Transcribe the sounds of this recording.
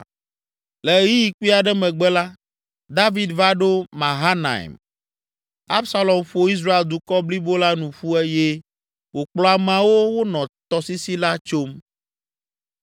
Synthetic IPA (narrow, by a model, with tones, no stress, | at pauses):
lɛ˨ji˦ji˨ku˦i˦a˨ɖɛ˦mɛ̃˨ɡ͡bɛ˦la˦ | d̪a˦vi˨˦d̪va˦ɖo˦mã˨ɦa˦na̰˨ḭ˨m | a˦bsa˦lɔ˨mɸo˦i˦s̬ɾa˦e˨ld̪u˨kɔ˦bli˦bo˦la˦nũ˨ɸu˦ɛ˦je˦ | wo˨k͡plɔ˦a˨m̃˦ã˨wo˦wo˦nɔ̃˨t̪ɔ˨si˦si˦la˦t͡ʃo˦m